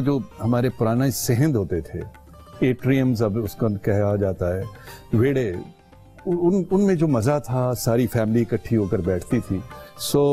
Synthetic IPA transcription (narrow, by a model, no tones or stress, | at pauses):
d͡ʒoːɦɐmaːɾepʊɾaːnasɛɦə̃nd̪ɦoːt̪et̪ʰḛ | eːʈɾijəmzɐbʊskəkɛɦad͡ʒaːt̪aɦɛːʋeːɽe | ʊʊnʊnmẽd͡ʒoːmɐzat̪ʰasaːɾifɛːmɪlikɐʈʰːiɦoːkəɾbɛːʈʰt̪it̪ʰiːsoː